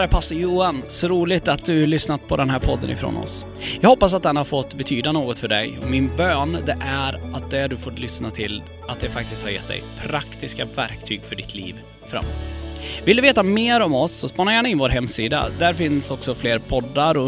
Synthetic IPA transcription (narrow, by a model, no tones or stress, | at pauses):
ɾæɾpʰasːɔjuːansɔɾuːlɪt̪at̪̚d̪ɵlʏsnat̪pʰɔd̪ɛnɦæːɾpʰɔd̪ːə̰nɪ̰fɾo̰ːnɔ̰s | jɑɡhɔpːasat̪̚d̪ɛnhaɾfɔt̪ːbɛt̪ʰyːd̪anoːɡɔt̪fœɖɛ̰jɔ̰mɪnbøːnd̪ɛʔæɾat̪̚d̪ɛɖ̪ɵfoːt̪lʏsnat̪ʰɪl | at̪̚d̪ɛfak̚t̪ɪst̪haɾjɛ̰t̪̚ːd̪ɛ̰jpʰɾakt̪ɪskavæɾkt̪ʰyːɡfœɖɪt̪ʰlḭːv | fɾa̰mːo̰ːt̪ːvɪld̪ɵveːt̪ameːɾɔmɔsːɔspɑnajæːɳaɪnvoːɾɦɛmːsiːd̪a̰d̪æɾfɪnsɔksɔfleːɾpʰɔd̪ːaɾɔ